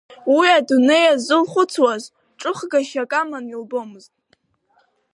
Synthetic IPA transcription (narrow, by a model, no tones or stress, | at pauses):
wiadune̞jazɨlχʷʊt͡sʰwaz | ʈ͡ʂʼɨχɡaʃakʼamanilbo̞mɨztʼ